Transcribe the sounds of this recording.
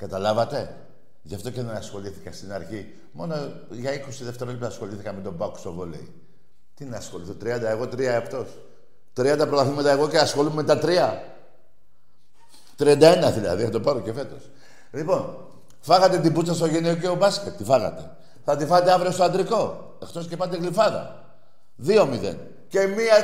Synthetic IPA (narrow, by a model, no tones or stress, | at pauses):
kɐt̪ɐlɐvɐt̪e̞ | ʝɐft̪o̞ceneɐsxo̞liθi̥kɐst̪inɐɾçi | mo̞no | ʝɐiko̞siðe̞ft̪e̞ɾolipoɐsxo̞liθikɐmet̪o̞bɐkst̪ovolḛḭ | t̪inɐːsxo̞liθot̪ɾiɐnd̪ɐeɣo̞t̪ɾiɐept̪o̞s | t̪ɾiɐnd̪ɐpɾo̞t̪ɐθimet̪ɐeɣo̞ceɐsxo̞lumet̪ɐt̪ɾiɐ | t̪ɾiɐnd̪ɐe̞nɐðilɐ̰ðiθɐt̪opɐɾoce̞fe̞t̪o̞̰s | lipo̞n | fɐɣɐt̪e̞t̪ibut͡sːɐs̬t̪oʝeneoc̬eobɐscet̪tːifɐɣɐ̰t̪e̞ | θɐt̪ifɐɐt̪eɐvɾiost̪oɐnd̪ɾiko̞ | ext̪o̞scepɐd̪eɣlifɐðɐ̰ | ðio̞miðe̞̰n | ce̞miɐ